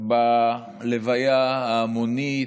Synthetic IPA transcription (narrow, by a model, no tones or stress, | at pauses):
ba | levajaaːmoni